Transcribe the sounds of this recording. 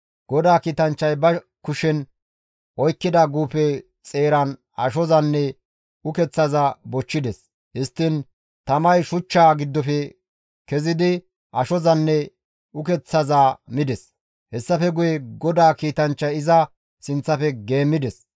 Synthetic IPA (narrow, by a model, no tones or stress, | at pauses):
ɡ̥ɔd̪aːkiːt̪ɐnt͡ʃːɐjbɐ | kʊʃɛn | ʔɔjkːɪd̪aɡuːpɛ | t͡sʼe̞ːɾɐn | ɐ̰ʃɔzɐnːɛ | ʊkɛt͡sːɐzɐbɔt͡ʃːɪd̪ɛs | hɪst̪ːɪn | t̪ɐmɐjʃʊt͡ʃːaːɡɪd̪ːɔfɛ | kɛzɪd̪ɪ | ʔɐʃɔzɐnːɛ | ʊkɛt͡sːɐzaːmɪd̪ɛs | hɛsːɐfɛɡʊjɛɡɔd̪aːkiːt̪ɐnt͡ʃːɐjɪzɐ | sɪnt͡sːɐfɛɡe̞ːmːɪd̪ɛs